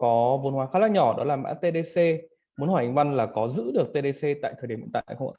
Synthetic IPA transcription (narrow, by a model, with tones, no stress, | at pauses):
kɔ˨˦vo˧nhwaː˨˧˩xaː˧˥laː˧ɲɔ˧˩ɗɔ˨˦laː˨˩ma̰ː˧˥t̪e˧ɗe˧se˧ | mu˨˦nhwaː˧˩a˨˩ŋ̟va˧nlaː˨˩kɔ˨˦zɨ̰˧˥ɗɨ˨˩ək̚t̪e˧ɗ̪e˧se˧t̪a̰ː˧˨t̪ʰəː˨˩ji˨˩˨mḭ˧˨˦t̪a̰ː˧˨˧xə˧ŋ͡mə̰˧˩